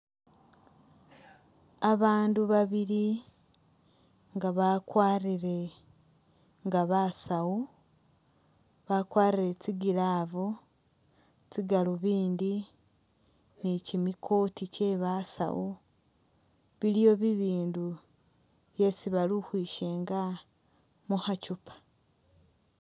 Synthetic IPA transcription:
aβaːnduβaβiɾi | ŋɡaβakwaːriɾe̞ | ŋɡaβasawu | βakwaːriɾet͡siɡilaːvo | t͡siɡaluβiːndi | nicimikʰo̞ticeβasa̰wu | βilijo̞βiβiːndu | βje̞siβaluhwiːʃe̞ːŋɡa | muhacupʰḁ

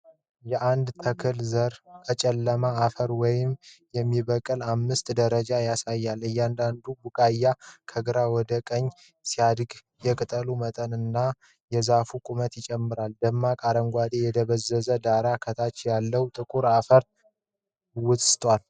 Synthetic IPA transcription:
jɛʔand̪t̪ʰəkʰɨlzəɾkʰət͡ʃʼɛlːəmaːfəɾwɔjɪmjɛmːiβəkʼɨlamːɨst̪d̪əɾəd͡ʒajasajːalɨjːand̪and̪ubukʼajːakʰəɡɨɾawɔd̪əkʼəɲː | sijad̪ɡ | jɛkʼɨt̪ʼəlumət̪ʼənɨnːa | jɛzafukʼumət̪jɪt͡ʃʼɛmːɨɾald̪əmːakʼaɾəŋɡʷad̪e̞jɛd̪əβəzːəzəd̪aɾakʰət̪ʰat͡ʃjalːəwt̪ʼɨkʼuɾafəɾ | wʊz̥ʼst̪ʼwal

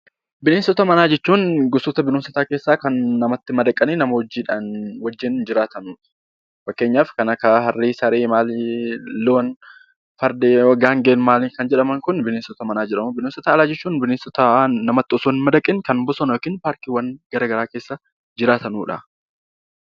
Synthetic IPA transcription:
bɪneːnsɔt̪ɐmɐnaːd͡ʒɛt͡ʃːuːnɡʊsɔt̪ɐbɪnoːmsɐt̪aːke̞ːsːaːkɐnːɐmɐt̪ːɪmɐd̪ɐkʼːɐniːnɐmɐwɐd͡ʒːiːᶑanwɐd͡ʒːɪnd͡ʒɪɾaːt̪ɐnuːᶑɐ̥ | fɐkːeːɲːaːfkɐnɐkɐɦɐrːiːsɐɾeːmaːlloːn | fɐɾd̪eːɐɡaːŋɡeːnmaːlɪkɐnd͡ʒɛᶑɐmɐŋkʊnbɪneːnsɔt̪ɐmɐnaːd͡ʒɛᶑɐmʊbɪnoːnsɐt̪aːlaːd͡ʒɛt͡ʃːuːnbɪneːnsɔt̪anɐmɐt̪ːɪɔsoːnɪmɐd̪ɐkʼːɪnkɐnmbɔsɔnoːkɪnpaːɾkiːwɐnɡɐɾɐɡɐɾaːke̞ːsːɐ | d͡ʒɪɾaːt̪ɐnuːᶑɐ̰

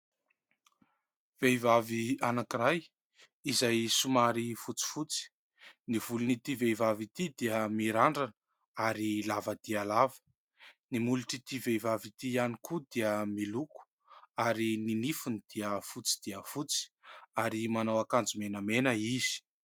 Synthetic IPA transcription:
v̥ejvavianakiraj | izajsumaɾifut͡si̥fut͡si̥ | niv̥ulunit̪ivejvavit̪id̪iəmiɾaɳɖ͡ʐanə | aɾilavəd̪̥iəlavə̥ | nimuluʈ͡ʂit̪ivejvavit̪ianikud̪iəmiluku̥ | aɾininifunid̪̥iəfut͡si̥d̪iəfut͡si̥aɾimanawakand͡zumenəmenəiz̥i̥

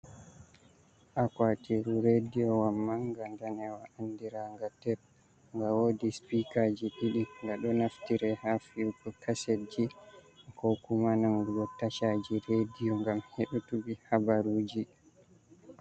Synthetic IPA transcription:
ʔakwatiɾuɾedijɔwamːaŋɡandanɛwaʔandiɾaŋɡatɛp̚ | ŋɡawodispikad͡ʒiɗiɗiŋɡaɗɔnaftiɾɛhafiwkɔkʰased͡ʒikɔkumanamɡɡɔtaʃad͡ʒiɾedijɔŋɡamheɗutubihabaɾud͡ʒi

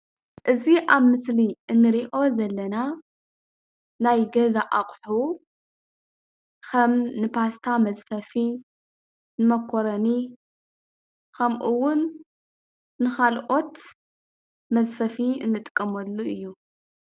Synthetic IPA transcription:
ʔɨziʔaβmɨsliʔɨnːɨɾiʔo̞zɐlːɐna | najɡɐzaʔaqʼħu | kʰɐmnɨpʰast̪ʰamɐzfɐfi | nɨmɐkʰːoɾɐni | kʰɐmʔuwːʊn | nɨxalʔo̞t̪ | mɐzfɐfiɨ̰nːɨt̪ʼɨkʼːɐmɐlːuɨjːu

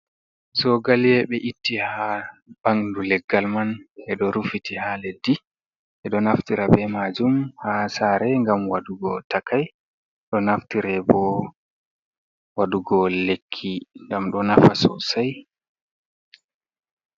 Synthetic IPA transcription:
zɔɡaljɛɓɛʔitːihab̥aŋndulɛɡːalmanɛɗɔɾufitihaledːi | ʔɛɗɔnaftiɾabɛmad͡ʒumhasaɾɛŋɡamwaɗuɡɔtakʰaj | ɗɔnaftiɾɛbɔ | waɗuɡɔlekʰːiŋɡamɗɔnafasɔ̰saj

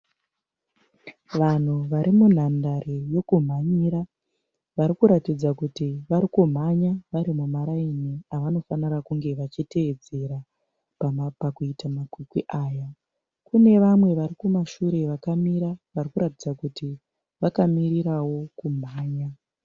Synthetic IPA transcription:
ʋan̤uʋaɾimun̤andaɾijo̞kum̤aɲiɾa | ʋaɾikuɾatid͡zakutiʋaɾikum̤aɲaʋaɾimumaɾainiaʋano̞fanirakuŋɡe̞ʋat͡ʃite̞ed͡ze̞ɾa | ppakuitamakwikwiʔaːja | kune̞ʋamwe̞ʋaɾikumaʃuɾe̞ʋakamiɾaʋarikuɾatid͡zakuti | ʋakamiɾiɾawo̞kum̤aːɲa

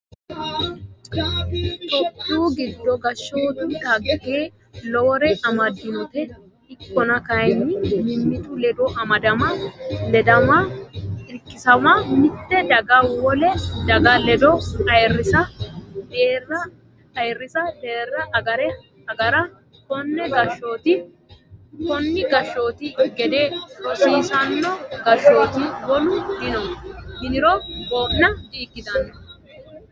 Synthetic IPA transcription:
t̪ɔt̪ːuːɡɪd̪ːɔɡɐʃːoːd̪ʊt̪ɐɡɛkeː | lɔwɾɛʔɐmɐd̪ːɪnɔt̪ɛ | ɪkːɔnɐkɐjnːɪmɪmːɪt̪ʊlɛd̪ɔʔɐmɐd̪ɐmɐlɛd̪ɐmɐɪɾkːɪsɐmɐmɪt̪ːɛd̪ɐɡɐwɔlɛd̪ɐɡɐlɛd̪ɔɐjrːɪsɐd̪eːrːɐ | ɐjrːɪsɐd̪e̞ːrːɐʔɐɡɐɾɛ | ɐɡɐɾɐ | kɔnːɛɡɐʃo̞ːt̪ɪ | kɔnːɪɡɐʃːo̞ːt̪ɪɡɛd̪eːɾɔsiːsɐnːɔɡɐʃo̞ːt̪iwɔlʊd̪ɪnɔhɪnɪɾɔbo̞ːʔnɐd̪iːkːɪd̪ɐnːɔ

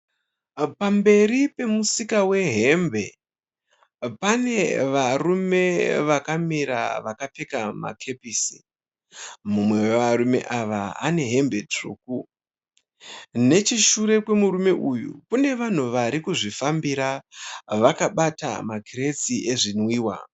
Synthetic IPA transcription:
pambe̞ɾipe̞musikawe̞ɦe̞mbe̞ | pane̞ʋarume̞ʋakamiɾa̰ʋakapekama̰kʰe̞piːsi̥ | mumwe̞wʋaɾume̞̰ʔaʋaane̞ɦe̞mbe̞t͡ʂṵːku | ne̞t͡ʃiʃuɾe̞kwe̞murume̞ʔujṵkune̞ʋan̤uʋaɾikuʐifambiɾaʋakaɓata̰makire̞t͡siʔe̞ʐinwiːwa̰

